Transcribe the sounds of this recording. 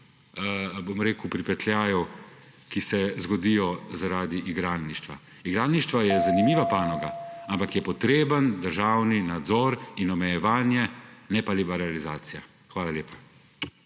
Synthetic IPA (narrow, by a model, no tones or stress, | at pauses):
bomɾeːkupɾipɛt̪lʲjaːjɔw | kisɛzɡɔd̪ijɔzaɾaːd̪iʔiɡɾaːnniʃt̪ʋa̰ | iɡɾaːnniʃt̪ʋajɛzanimiːʋapaːnɔɡaampakjɛpɔt̪ɾeːbənd̪əɾʒaːwninad̪zɔɾinɔmɛjɛʋaːnjɛnɛpalibɛɾalizaːt̪sija | xʋaːlaleːpḁ